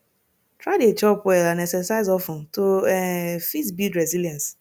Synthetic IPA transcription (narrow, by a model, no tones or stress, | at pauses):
tɾaɪdet͡ʃɔpwɛlãnɛsɛsaɪzɔfʊ̃ntoɛfisbildɹɛziljãns